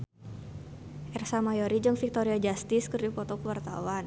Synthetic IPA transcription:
ʔɛrsamajɔɾid͡ʒɨŋfik̚t̪ɔɾiad͡ʒast̪ɪskɨrdupɔt̪ɔkwart̪a̰wan

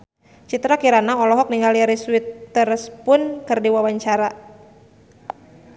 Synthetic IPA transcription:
t͡ʃit̪ɾakiɾanaɔlɔɦɔk̚niŋaliaɾisuwit̪ːərspʊnkɨrdiwawaɲt͡ʃaɾa

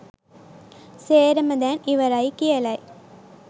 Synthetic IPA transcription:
seːɾɐmɐd̪aːniʋɐɾaːjikijɐlaːj

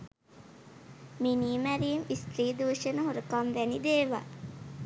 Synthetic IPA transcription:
miniːmæɾiemist̪ɾiːd̪uːʃənəɦoɾəkamʋænid̪eːʋa̰ː

